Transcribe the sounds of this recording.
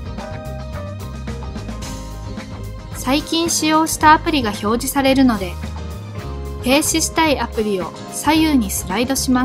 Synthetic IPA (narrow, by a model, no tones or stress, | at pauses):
saikʲĩɰ̃ɕijo̞ːɕi̥t̪aːpɯ̟ɾʲiɡaço̞ːʑisaɾe̞ɾɯ̟no̞d̪e̞ | pe̞ːɕiɕi̥t̪aiapɯ̟ɾʲio̞ | sajɯːɲ̟isɨɾaid̪o̞ɕimas